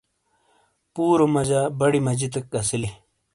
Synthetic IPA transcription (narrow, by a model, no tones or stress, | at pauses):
puːɾomɐd͡ʑabɐɽimɐd͡ʑit̪ɐkːɐsili